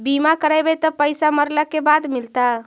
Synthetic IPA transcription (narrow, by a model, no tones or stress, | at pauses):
bimakəɾabet̪əpəjsaməɾləkebad̪milt̪a